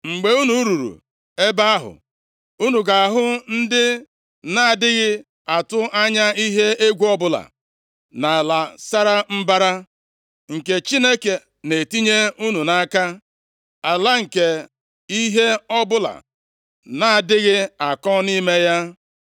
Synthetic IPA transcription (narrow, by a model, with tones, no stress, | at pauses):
ŋ͡m̩˨ɡ͡be˨u˦nu˦ɾu˨ɾṵ˨ | e˦ba˦a˦ɦʊ̰˨ | u˦nu˨ɡa˨a˨ɦʊ˦n̩˦dɪ˦ | na˦a˨dɪ˦ɣɪ˦ | a˨tʊ˦a˦ɲa˦i˦ɦe˦e˦ɡʷu˦ɔ˦bʊ˦la̰˨ | na˨la˨sa˦ɾa˦m̩˦ba˦ɾa˦ | ŋ̩˨ke˨t͡ʃi˦ne˦ke˨ | ne˨ti˦ɲe˦u˦nu˨na˨˦˨ka˦ | a˨la˦ŋ̩˨ke˨ | i˦ɦe˦ɔ˦bʊ˦la̰˨ | na˦a˨dɪ˦ɣɪ˦a˨kɔ˦ni˦me˦ja˦